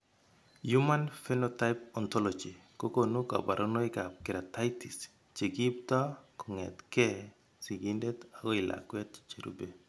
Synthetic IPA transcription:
ju˦ma˦nfɛ˦nɔta˦ɪpɔ˨ntɔlɔd͡ʒi˨ko˦ko˦nu˦ka̰˨ba˨ɾʔo˦no˦i˦ka˨p̚kɪ˨ɾa˨ta˦ɪti˨s | t͡ʃe˨ɡi˦p̚ta˦kɔ˨ŋɛ˨t̪kɛ˦ | si˨ɡinde˦taɡɔ˦ɪ˨lʔa̰kwɛ˦t̚t͡ʃt͡ʃe˨ɾṵbe˨

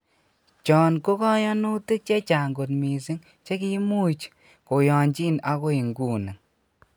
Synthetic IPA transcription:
t͡ʃɔ˨nko˦kɔ˦ja˦nu˦ti˦k̚t͡ʃe˦t͡ʃa˨ŋɡo˨tmi˨si˦ŋ | t͡ʃe˦ki˦mu˦t͡ʃ | ko˨jɔ˨ɲt͡ʃi˦na˦ko˦i˨ŋɡu˦ni˨ŋ

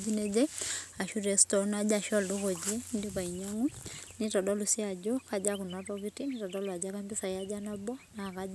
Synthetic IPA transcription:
d͡ʒi˦nɛ˦d͡ʒɛ˦a˨ʃu˦ɾɛ˨stɔ˨na˦d͡ʒa˨ʃɔ˦lu˦ɣɔ˨d͡ʒɛ˦ndi˦βa˨i˨ɲa˦ŋu˦ni˦tɔ˨dɔ˦lu˨si˦a˨d͡ʒɔ˦ka˦d͡ʒaku˨na˦tɔ˦kiti˦nitɔ˨dɔ˦lwa˨d͡ʒa˦ka˦mbi˦sa˨ia˦d͡ʒa˦na˦bɔ˦na˨ka˦

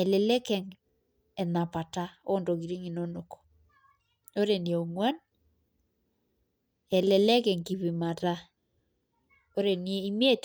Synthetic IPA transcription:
ɛ˨lɛ˨lɛ˦kɛ˨ŋ | ɛ˨na˨pa˨ta˦o˦ndo˨ɡi˨ɾi˦ŋi˨no˦no˨ko̥˨ | o˦ɾe˨nje˨o˨mwa˦n | ɛ˨lɛ˨lɛ˦kɛ˨ŋki˨βi˨ma˨ta˦ | o˦ɾe˨ni˦e˦i˦m˦e˦t

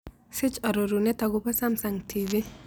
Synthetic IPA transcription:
sɪ˦t͡ʃa˨ɾo˨ɾunɛ˦ta˨ɡʊ˦pa˦sa˦msa˨ŋtʰivi˦

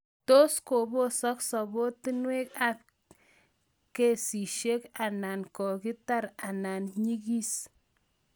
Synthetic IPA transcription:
to˦sko˨bo˦sɔ˦ksɔ˨bo˦ti˦nwe˦ka˨p̚ | ke˦˨si˨ʃe˦ka˨na˨nkɔ˨ki˦ta˦ɾa˨na˨nɲi˦ki˦s

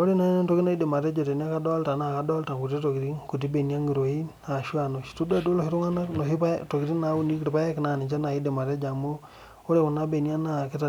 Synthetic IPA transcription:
o˦ɾi˦na˦ne˦nto˦ki˦na˦i˦de˨ma˨ɾe˦d͡ʒo˨te˨ni˦a˦ka˦dɔ˦lta˨na˨ka˨dɔ˦lta˨ŋku˨t̬i˦to˨ki˨ɾi˦ŋku˨t̬i˦be˨ni˦a˦ŋi˨ɾo˨i˦ | a˨ʃu˦a˨no˨ʃtu˦da˨do˦lo˨hi˦ɾu˦ŋa˦na˦no˨ɦi˦pa˦to˨ki˨ɾi˦na˨˦u˦ni˦kɾi˨pa˦je˦kɪ˨na˨ni˨t͡ʃa˦na˨i˦de˨ma˨ɾe˦d͡ʒa˨mu˦ | o˦ɾe˦˨ku˨na˦be˨ni˦a˦na˨ki˦ta˨

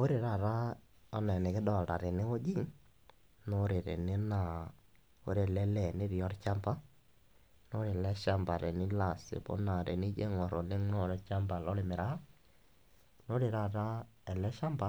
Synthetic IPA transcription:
o˦ɾɪ˨ɾa˦˨ɾa˦ | ɔ˦nɛ˨nɪ˨kɪ˦dɔ˨ta̰˨ɾe˨nɪ˦wo˦d͡ʒi˦˨ŋ | no˦ɾe˨ɾḛ˨nɪ˦na˨ | o̰˦ɾe˨lɛ˦lɛ˨nɪ˦ɾi˨jɔ˦ɾt͡ʃa˦mpa˦ | no˦ɾe˨lɛ˦ʃa˦mba˨ɾe˨nɪ˦la˨sɪ̰˨po̰˦na˨ɾe˨nɪ˦d͡ʒe˦ŋɔ˨ɾo˨lɪ˦ŋno˦˨ɾɛ˦t͡ʃa˦mba˨lɔ˦lɪ˨mɪ˨ɾa˦ | no˦ɾɪ˨ɾa˦˨ɾa˦ɛ˨lɛ˦ʃa˦mba˨˦

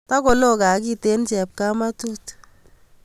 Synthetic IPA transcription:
ta˦ko˨lo˦ka˨˦ki˦te˦nt͡ʃɛ˨p̚ka˦ma˦tu˦t

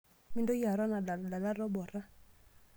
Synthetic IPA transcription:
mɪ˦ndɔ˦ja˨ɾɔ˦na˨da˨la˨da˨la˦ɾɔ˦bɔ˨ɾa˦

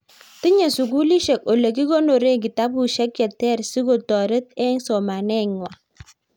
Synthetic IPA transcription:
ti˦ɲɛ˨su˨ɡu˦li˦ʃɛ˨ko˨le˨ki˦ɡo˦no˨ɾe˦ŋɡi˨ta˦bu˨ʃɛ˦k̚jɛ˨tɛ˦˨ɾsi˦ɡo˨tɔ˨ɾɛ˦t̪ɛ˦ŋsɔ˨ma˨nɛ˦ŋwa˨

